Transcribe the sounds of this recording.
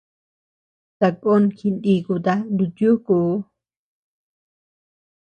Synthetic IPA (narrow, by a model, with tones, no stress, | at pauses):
t̪a˧kʼo˦nki˧nd̪i˧ku˧t̪a˦nd̪u˧t̪ju˦ku˨˦